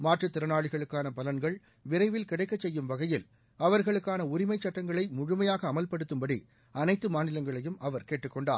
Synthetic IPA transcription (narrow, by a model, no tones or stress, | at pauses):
maːʈrɯt̪ːɪɾɐnaːɭɪɣɐɭɯkːaːnɐpɐlɐnɡɐɭ | ʋɪɾɐɪʋɪlkɪɽɐɪkːɐt͡ʃsɛjːɯmʋɐɣɐjɪl | ɐʋɐɾɣɐɭɯkːaːnɐʊɾɪmɐɪt͡ʃːɐʈːɐŋɡɐɭɐɪmʊɻʊmɐjaːɣɐːmɐlpɐɽɯt̪ːɯmbɐɽḭ | ʔɐnɐɪt̪ːɯmaːnɪlɐŋɡɐɭɐjɯmɐʋɐɾkeːʈːɯkːɔɳɖaː